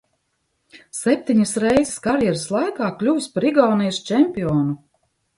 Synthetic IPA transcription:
sɛp̚t̪ʲiɲisɾɛjziskaɾjɛɾslˠajkaːklʲuːspaɾiɡawnijst͡ʃɛmpiɔːnu

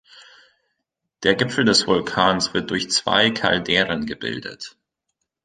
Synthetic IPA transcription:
d̥eːɐɡɪfl̩dɛsv̥ʊlkʰaːnsv̥ɪɐt̚d̥ʊɐçt͡sv̥a̰ɪkʰa̰ldɛːʁənɡəbɪ̰ldə̰t

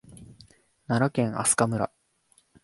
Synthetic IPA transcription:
naɾakẽ̞ŋ̃a̰sɨ̥kamɯ̟ɾa̰

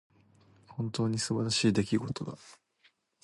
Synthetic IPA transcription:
hõ̞nt̪o̞ːɲ̟isɨbaɾaɕiːd̪e̞kʲiɡo̞t̪o̞d̪a

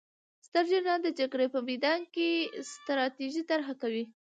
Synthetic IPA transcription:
st̪əɾd͡ʒenad̪əd͡ʒaɡɽepəmijd̪ɑnkest̪ɾɑt̪eʒit̪aɾɦakawi

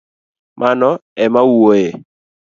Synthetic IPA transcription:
mʔanɔɛmawuoje

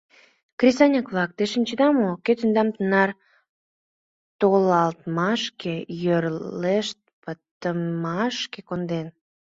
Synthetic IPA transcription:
krʲisɑnʲəkβlˠɑk̚t̪eʃənʲt͡ɕəd̪ɑmoket̪ynd̪ɑmt̪ənɑr | t̪olɑlt̪mɑʃkejørleʃt̪̚pət̪əmɑʃkekond̪en

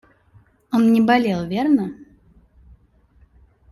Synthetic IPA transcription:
onnʲɪbɐlʲelˠvʲernə

